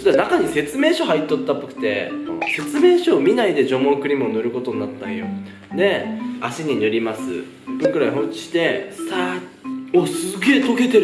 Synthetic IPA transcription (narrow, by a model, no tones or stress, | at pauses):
d̪anakaɲ̟ise̞t͡sɨme̞ːɕo̞ɦait̪ːot̪ːapːokɯ̟̥t̪e̞õ̰ːse̞t͡sɨme̞ːɕo̞ːmʲinaid̪e̞d͡ʑo̞mõkɯ̟ɾʲimɯ̟onoɾɯ̟ko̞t̪o̞ɲ̟nat̪ːãɰ̃jo̞̰ | ne̞aɕiɲ̟inɯ̟ɾʲimasɨ̰ | bokɯ̟ɾaiɦõ̞ɲt͡ɕi̥ɕi̥t̪e̞sa | osɨɡe̞ːt̪o̞ke̞t̪e̞ɾ